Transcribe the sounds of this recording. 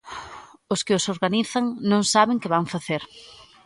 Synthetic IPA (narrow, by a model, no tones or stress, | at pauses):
ʊskɪʊsoɾɣaniθɐŋnõŋsaβɪŋkɪβaŋfaθeɾ